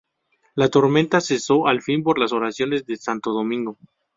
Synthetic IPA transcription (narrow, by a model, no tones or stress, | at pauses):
lat̪o̞ɾmẽ̞nt̪ase̞so̞ʔalfimpo̞ɾlaso̞ɾasjo̞ne̞zðe̞sant̪o̞ð̞o̞mĩŋɡo̞